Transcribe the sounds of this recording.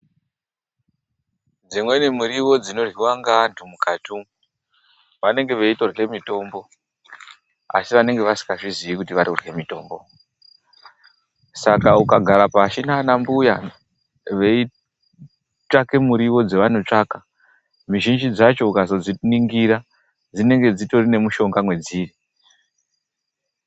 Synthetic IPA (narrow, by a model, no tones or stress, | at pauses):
d͡zimwe̞nemuɾiwo̞d͡zino̞rwiwaŋɡantʰumukatʰu | ʋane̞ŋɡe̞ʋeito̞re̞mito̞mbo̞ | a̰siʋane̞ŋɡe̞ʋasi̥kaʐiziikutiʋaɾiurwe̞mito̞̰ːmbo̞̰ | sakaukaɡʱaɾapaːʃinaːnambuja | ʋei | take̞muɾiwo̞d͡ze̞ʋano̞t͡ʂaːka | miʒind͡ʒid͡zat͡ʃo̞ukazo̞d͡ziniŋɡiɾa | d͡zine̞ŋɡe̞d͡zito̞rine̞muʃo̞ŋɡamwe̞d͡ziːri